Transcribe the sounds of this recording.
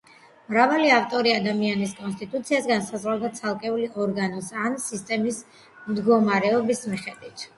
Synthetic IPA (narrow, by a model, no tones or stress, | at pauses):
mɾavaliaft̪ʼɔɾiad̪amianiskʼɔnst̪ʼit̪ʼut̪sʰiasɡansazʁwalˠd̪at̪sʰalˠkʼɛuliʔɔɾɡanɔsansist̪ʼɛmis | md̪ɡɔmaɾɛɔbismiχɛd̪wit̪ʰ